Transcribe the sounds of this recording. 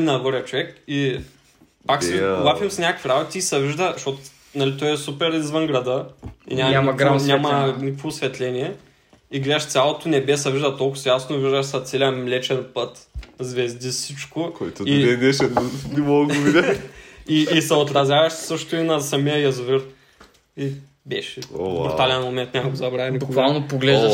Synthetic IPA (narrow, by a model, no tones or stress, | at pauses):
nɐɡɔɾɛət͡ʃovɛki | pakswapʲimsnʲakəkviɾabot̪ʲiisɐviʒd̪əʃot̪ | nɐlit̪ɔjɛsupɛɾizvənɡɾɐd̪əḭnʲaanʲamɐnikəkvoːsvɛt̪lʲɛnʲiɛ | iɡlɛʃt̪sʲjalˠot̪onɛbɛsɐviʒd̪ɐt̪olˠkʊ̥sjasnoviʒd̪əʃsɐt̪sɛliəmlɛt͡ʃɛnpɤt̪zvɛzd̪isit͡ʃkʊkojt̪ʊiɛd̪ɛʃɛnimolˠɡɡovid̪ʲɐiːsɛot̪ɾɐzʲjavɐʃssɤʃt̪ʊinɐsɐmijəjɐzviɾ | i | bɛʃɛobɾt̪alɛnmomɛnt̪nʲamɐɡozɐbɾavʲiibʊkvalˠnopoɡlɛʒ